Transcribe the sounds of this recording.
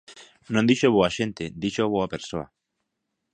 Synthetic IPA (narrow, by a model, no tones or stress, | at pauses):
nõnd̪iʃoβoaʃent̪ed̪iʃoβoapeɾsoa̰